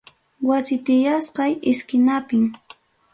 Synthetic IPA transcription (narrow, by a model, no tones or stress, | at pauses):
wasɪt̪ɪjasqɑjɪskɪnapɪŋ